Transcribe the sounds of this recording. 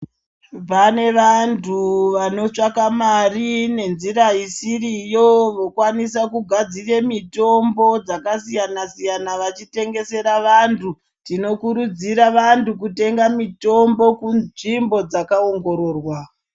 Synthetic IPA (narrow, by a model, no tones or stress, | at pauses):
pane̞ʋantʰuʋano̞t͡ʂakamarine̞nziɾaisirijo̞ʋo̞kwanis̬akuɡʱad͡zire̞mito̞mbo̞d͡zakasijanasijanaʋat͡ʃite̞ŋɡe̞se̞ɾaʋantʰu | tino̞kuɾud͡ziɾaʋantuk̬ute̞ŋɡamito̞mbo̞kuʐimbo̞d͡zakao̞ŋɡo̞ɾo̞ːrwa